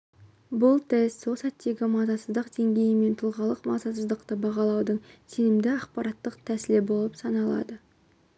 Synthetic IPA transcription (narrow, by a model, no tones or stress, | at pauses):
bʊlˠt̪ʰest̪sosɑt̪ːe̞ɡʲɪmɑzɑsəzd̪əqd̪e̞ŋɡʲe̞jɪme̞nt̪ʰʊlˠʁɑlˠəqmɑ̰zɑsəzd̪əqt̪əbɑʁɑlˠɑwd̪əɴse̞nɪmd̪ɪɑqpɑɾɑt̪ːəqt̪ʰæsɪlebo̞lˠəpsɑnɑlˠɑ̰d̪ə